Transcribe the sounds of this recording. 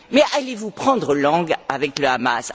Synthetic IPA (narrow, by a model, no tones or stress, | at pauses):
mɛʔalevupχɑ̃d̪ʁəlɑ̃ɡavɛkləamas